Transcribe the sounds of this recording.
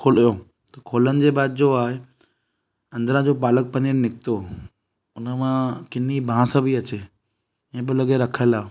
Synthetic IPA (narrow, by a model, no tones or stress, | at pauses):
kʰoːlijoː | t̪ɐkʰoːlənɪ̆d͡ʑeːbaːd̪̚d͡ʑoaːɦe | ɐ̃nd̪əɾãd͡ʑopaːlək̚pɐ̃nennɪkɪt̪o | ʊnəmãkɪnibʱãsə̃bʱiɐt͡ɕe | ẽbɪlɐɠeɾɐkʰəlaː